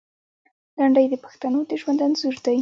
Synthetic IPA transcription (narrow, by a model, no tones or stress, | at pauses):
laɳɖəjd̪əpḁxt̪anod̪əʒwand̪anzuɾd̪aj